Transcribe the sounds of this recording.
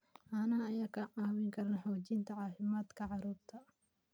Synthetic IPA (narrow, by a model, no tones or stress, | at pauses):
ʔaːnɐhɐɐjaːkʰɐʕɑːwɪŋkʰɐrnɐħɔːt͡ʃɪnt̪ʰɐʕɑːfɪmaːd̪kʰɐʕɑɾuːɾt̪ʰɐ